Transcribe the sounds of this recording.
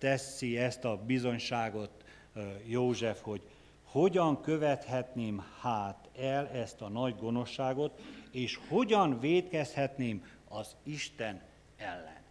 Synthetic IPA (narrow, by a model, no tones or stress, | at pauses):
t̪ɛsːiɛst̪ɒbizo̞ɲʃaːɡo̞t̪ | joːʒɛfho̞ɟ | ho̞ɟɒŋkø̞vɛt̪hɛt̪neːmhaːt̪ɛlɛst̪ɒnɒɟɡo̞no̞ʃːaːɡo̞t̪eːʃho̞ɟɒnveːt̪kɛshɛt̪neːm | ɒziʃt̪ɛn | ɛlːɛ̰n